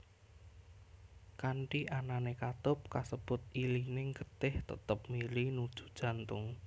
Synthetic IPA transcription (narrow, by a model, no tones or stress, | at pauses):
kaɳʈiʔananekat̪ʊp̚kasəb̥ʊt̪̚ilinɪŋkət̪ɪht̪ə̰t̪əp̚milinud̥ʒ̥ṳ̥d̥ʒ̥ä̤nt̪ʊŋ